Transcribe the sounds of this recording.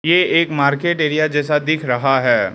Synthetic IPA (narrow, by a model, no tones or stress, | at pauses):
jeeːkmaːɾkeːʈeːɾijad͡ʒɛːsad̪ɪkʰɾɐɦaɦɛː